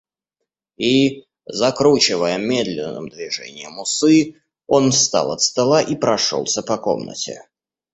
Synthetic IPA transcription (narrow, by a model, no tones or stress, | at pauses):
i | zɐkɾut͡ɕɪvəjəmʲed̪lʲɪnːə̰md̪vʲɪʐɛ̰nʲɪjəmʊsɨ | o̞nst̪a̰lˠɐt̪st̪ɐlˠaʔipɾɐʂo̰lˠsʲəpɐko̰mnə̰tʲɪ̰